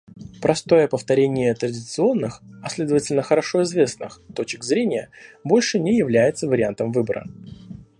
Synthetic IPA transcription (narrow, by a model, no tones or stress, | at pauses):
pɾʔɐst̪o̞jəpəft̪ɐɾʲenʲɪjət̪ɾədʲɪt̪sɨo̞nːɨxɐsʲlʲe̞d̪əvətʲɪlʲnəxəɾɐʂo̞ɪzvʲe̞snɨ̰xt̪o̞t͡ɕɪkzɾʲenʲɪjəbo̞lʲʂɨnʲɪjɪvlʲæjɪt̪səvəɾʲɪant̪əmvɨbəɾə̰